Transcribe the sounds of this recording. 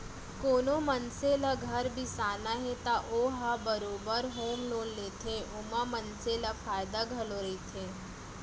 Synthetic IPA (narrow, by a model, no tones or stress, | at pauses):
koːnomɐnselaɡʱɐɾbʱisaːnaɦet̪aʔoːɦabəɾoːbəɾɦoːmloːnleːt̪ʰeʔomãmənselafʰaːjd̪aɡʱɐloɾɐit̪ʰeː